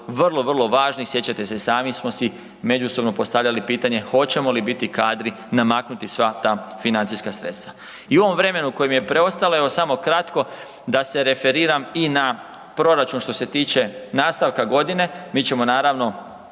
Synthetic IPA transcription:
ʋrlˠo̞ʋərlˠo̞ʋaːʒnisje̞t͡ɕat̪e̞sesaːmismo̞si | me̞d͡ʒusobno̞po̞st̪aʋʎalipiːt̪aɲe̞xo̞t͡ɕe̞mo̞libit̪ikaːd̪ɾi | namaknut̪isʋat̪aːfinant̪siskasɾet̪st̪ʋa | iuo̞ʋo̞mʋɾe̞me̞nuuko̞jemjepɾe̞o̞st̪aloeʋosamo̞kɾat̪ko̞ | d̪ase̞ɾe̞fe̞ɾiːɾamina | pɾo̞ɾat͡ʃunʃt̪o̞se̞t̪iːt͡ʃe̞naːst̪aʋkaɡo̞d̪ine̞miːt͡ɕe̞mo̞naːɾaʋno̞

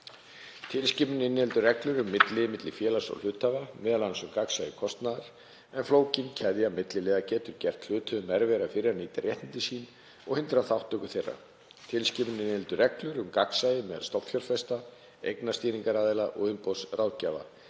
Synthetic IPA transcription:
t̪ʰɪlscɪpʏnɪnːɪhɛlt̪ʏrɛklʏɾʏmːɪt̪lɪmɪt̪lɪfjɛːlasɔ̰l̥ʏːt̪ʰːavamɛːðalːansʏmkaksajɪkʰɔst̪naðaɾ̥ | ɛnfloːwcɪncʰɛðjamɪt̪lɪlɛːðacɛːt̪ʏɾcɛr̥t̪l̥ʏːt̪ʰœðʏmɛɾvɛɾafɪɾɪaɾniːt̪aɾrjɛht̪nɪnt̪ɪsiːn | ɔɣhɪnt̪ɾaθawht̪ːœːkʏθerːa̰ | t̪ʰɪlscɪpʏnɪnːhɛlt̪ʏrɛklʏɾʏmkaksajɪmɛːðalst̪ɔp̪fʰjɔlfɛst̪a | ḛjknast̪iːɾiŋkaɾaːðɪlaʔɔ̰ɣʏmpowsrʔaːwðcaːva̰

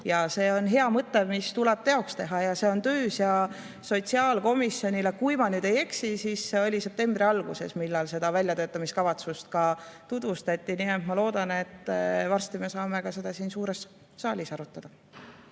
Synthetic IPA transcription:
jɑse̞ːo̞nɦe̞ɑmɤt̪ːˑemist̪ulɛb̥̚t̪e̞o̞kst̪e̞ɦɑjɑse̞o̞nt̪øːsjɑ | so̞t̪ʲsiɑːlko̞misːjo̞nʲile̞kujmɑnyːd̪̥e̞je̞ksisiːsːeo̞lʲise̞p̚t̪e̞mbɾiɑlɡ̥use̞̰smilːɑlse̞d̪̥ɑvælʲjɑt̪øːt̪ːˑɑmiskɑvɑt̪sust̪̚kɑt̪ud̪vust̪ɑt̪ʲːˑiniːent̪mɑlo̞ːd̪ɑne̞t̪ːvɑrst̪ime̞sɑːme̞kɑse̞d̪̥ɑsiːnsuːɾe̞s | sɑːlʲisɑɾut̪ːˑɑd̪̥ɑ

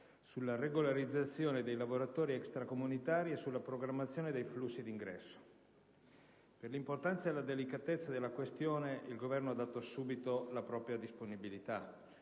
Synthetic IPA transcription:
sulːareɡolaɾid̪zːat̪sːjoːned̪ejlavoɾat̪oːɾiɛkst̪ɾakomunit̪aːɾiesːulːapɾoɡɾamːat̪sːjoːned̪ejflusːid̪iŋɡɾɛ̰sːo̥ | perlimport̪ant̪sad̪elad̪elikat̪et̪sːad̪elːakwest̪joːneilɡovɛrnoad̪ːat̪osuːbit̪olapɾɔːpɾjad̪isponibilit̪a

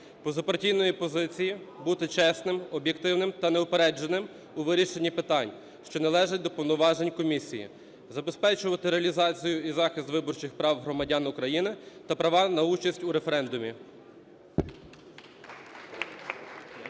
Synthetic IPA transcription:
pɔzɐpɐrtʲijnɔjipɔzɪt͡sʲijibut̪ɪt͡ʃɛsnɪmɔbjekt̪ɪwnɪmt̪ɐnɛʊpeɾɛd͡ʒenɪm | uʋɪɾʲiʃenʲːipɪt̪ɑnʲ | ʃt͡ʃɔnɐlˠɛʒɪt̚ʲd̪ɔpɔwnʊʋɑʒenʲkɔmʲisʲijḭ | zɐbespɛt͡ʃʊʋɐt̪ɪɾeɐlʲizɑt͡sʲijʊizɑxɪst̪ʋɪbɔrt͡ʃɪxpɾɑwɦɾɔmɐdʲɑnʊkɾɐjinɪt̪ɐpɾɐʋɑnɐut͡ʃɐsʲtʲuɾefeɾɛnd̪ʊmʲi

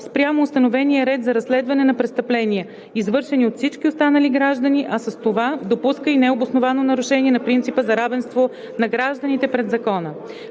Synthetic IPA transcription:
spɾʲjamoːst̪ɐnovɛnijəɾɛt̪zɐɾɐsːlɛd̪vɐnɛnɐpɾɛst̪əplɛniɛ | izvɤɾʃɛniot̪fsit͡ʃkʲiost̪anəliɡɾaʒd̪ənʲiʔɐsəst̪ovad̪opuskəinɛobosnovanonɐɾʊʃɛnʲiɛnɐpɾint̪sipəzɐɾavɛnst̪vo | nɐɡɾaʒd̪ənit̪ɛpɾɛd̪zɐkɔnə

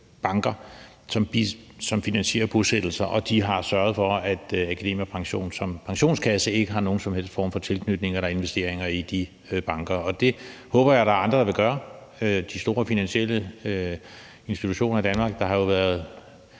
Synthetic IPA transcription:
b̥ɑ̈ŋɡ̥ɐ | sɒ̽mb̥i | sɒ̽mfinænɕe̝̰ːɐb̥osed̥l̩sɐʔɒ̽d̥iɦɑ̈sɶɐð̩ˠfɒ̽æd̥ækʰæd̥e̝̰ːmjɐpʰɑ̈ŋɕo̝̰ːnsɒ̽mpʰɑ̈ŋɕo̝̰ːnskʰæsəe̝ɡ̥əɦɑ̈no̝ːn̩sɒ̽mhel̰sd̥fɒ̰ːmfɒ̽t͡sʰe̝lkʰnyd̥ne̝ŋɐlæe̝nʋesd̥e̝̰ɐ̰eŋɐid̥i | b̥ɑ̈ŋɡ̥ɐɒ̽d̥e̝hɔ̽ːb̥ɐjaɾɑ̈ːɑ̈nd̥ʁɐd̥ɑ̈ʋe̝ɡ̥ɶːɐ | ød̥isd̥o̝ːɐfinænɕiel̰ə | e̝nsd̥it͡sʰuɕo̝̰ːnɐid̥ænmɑ̈ɡ̥̚d̥ɑ̈ɦɑ̈jo̝ʋæːɐð̞ˠ

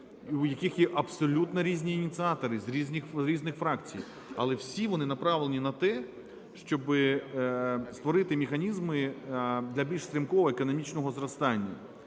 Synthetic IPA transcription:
ujɐkixjɛʔɐbsɔlʲut̪nɔɾʲizʲnʲiːnʲit̪sɨɑt̪ɔɾɪzɾʲizʲnʲixɾʲiznɪxfɾɑkt͡sʲḭj | ɐ̰lˠɛwsʲiʋɔnɪnɐpɾɑʋlˠenʲinɐt̪ɛ | ʃt͡ʃɔbɪ | st̪ʋɔɾɪt̪ɪmʲɪxɐnʲizmɪd̪lʲɐbʲilʲʃsɾʲimkɔʋɔekɔnɔmʲit͡ʃnɔɦɔzrɐst̪ɑnʲːɐ

